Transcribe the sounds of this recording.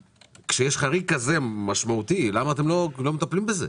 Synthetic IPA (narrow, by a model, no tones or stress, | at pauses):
kʃejeʃχaʁikaze̞maʃmaut̪ilamaːt̪̬e̞mlo̞lo̞met̪aplimbezḛ